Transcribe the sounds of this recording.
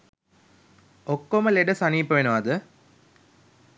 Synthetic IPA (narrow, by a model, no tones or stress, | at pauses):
okːoməleɖəsaniːpːəʋenəʋɐd̪ə